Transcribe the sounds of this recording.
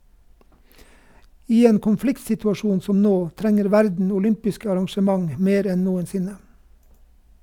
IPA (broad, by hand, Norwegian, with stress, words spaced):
ˈiː ˈeːn kʊnˈflɪktsɪtʉɑˌʃuːn ˈsɔm ˈnoː ˈtɾɛŋəɾ ˈʋæɾdn̩ ʊˈlʏmpɪskə ɑɾɑŋʃəˈmɑŋ ˈmeːɾ ˈɛn ˈnuːənˌsɪnə